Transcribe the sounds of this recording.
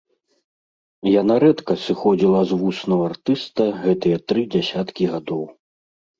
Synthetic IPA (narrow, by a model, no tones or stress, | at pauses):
janaɾɛt̪kɐsɨxɔd͡zʲilˠɐzvusnɐɣɐart̪ɨst̪ɐɣɛt̪ɨjɛt̪ɾɨd͡zʲasʲat̪kʲiɣad̪ɔw